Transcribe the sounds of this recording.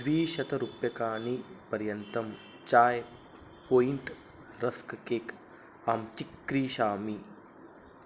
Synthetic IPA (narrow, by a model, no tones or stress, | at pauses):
dʋiːʃɐt̪ɐɾupjɐkaːnipɐɾjɐnt̪ɐm | t͡ʃaːj | poːint̪ | ɾɐskkeːk | aːmt͡ʃikɾiːʃaːmi